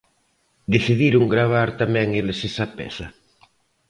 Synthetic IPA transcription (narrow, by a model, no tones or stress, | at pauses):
d̪eθiðiɾʊŋɡɾaβ̞aɾt̪amɛŋelesesapɛ̰sɐ